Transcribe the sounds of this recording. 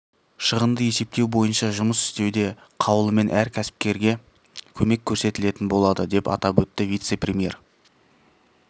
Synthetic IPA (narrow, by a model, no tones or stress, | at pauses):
ʃəʁənd̪əje̞se̞p̚t̪e̞wbo̞jənʃɑʒʊməsɪ̥st̪e̞wd̪e̞ | qʰɑwəlˠəme̞nʔæɾkʲʰæsɪ̥p̚kʲe̞ɾɡʲe̞ | kʲʰɵme̞kʲʰːɵɾse̞t̪ɪle̞t̪ɪnbo̞lˠɑd̪əd̪e̞pɑ̰t̪ɑpwɵt̪ːɪvijt̪se̞prʲemʲije̞̰r